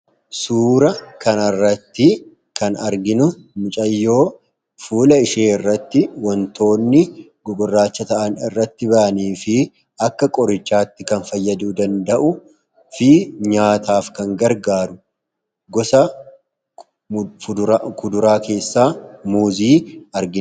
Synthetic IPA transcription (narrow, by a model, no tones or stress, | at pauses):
suːɾɐkɐnɐrːɐt̪ːɪ | kɐnɐɾɡɪnʊmʊt͡ʃʼɐjːo̞ː | fuːlɐɪʃeːɪrːɐt̪ːɪwɔnt̪ʰo̞ːnːɪ | ɡɔɡɔrːaːt͡ʃːɐt̪ɐʔɐnɪrːɐt̪ːɪbɐʔɐniːfɪ | ɐkːɐkʼɔɾɪt͡ʃːaːt̪ːɪkɐnfɐjːɐd̪uːd̪ɐnd̪ɐʔʊ | fɪɲaːt̪aːfkɐŋɡɐɾɡaːɾʊ | ɡɔsɐ | kʊd̪ʊɾaːke̞ːsːaːmuːziːɐɾɡɪn